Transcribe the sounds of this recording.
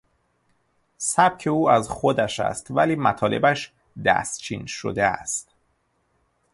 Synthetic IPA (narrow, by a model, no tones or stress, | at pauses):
sæb̥̚cʰe̞uːæzxod̪æʃæ̰st̪væliːmæt̪ʰɒːle̞̰bæʃ | d̪æ̰st̪t͡ʃʰḭːnʃo̰d̪eæ̰st̪